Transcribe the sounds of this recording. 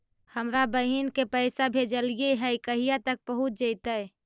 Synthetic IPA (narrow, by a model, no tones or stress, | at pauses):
həmɾabəɦinkepəɪsabʱed͡ʒəljeɦəkəɦijat̪ək̚pəɦut̪̚d͡ʒəɪt̪əj